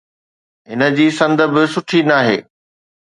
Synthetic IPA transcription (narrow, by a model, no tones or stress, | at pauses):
ɦɪnə̆d͡ʑiːsɐ̃nd̪ə̆bɪsʊʈʰinaːɦḛː